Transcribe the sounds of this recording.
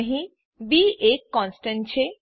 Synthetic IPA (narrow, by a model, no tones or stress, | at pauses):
ɦĩ | biekːɔnsʈent͡ɕʰe